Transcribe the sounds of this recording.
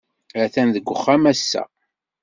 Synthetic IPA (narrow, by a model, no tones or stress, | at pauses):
æθænðəɡʷːəχːæmæsːæ̰